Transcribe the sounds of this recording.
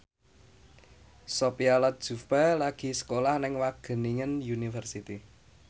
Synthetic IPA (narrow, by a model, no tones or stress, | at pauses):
sopialat̪̚d̥ʒ̥ṳpalaɡ̥i̤sə̥kolahnɪŋwaɡ̥ə̤niŋənjunifərsit̪i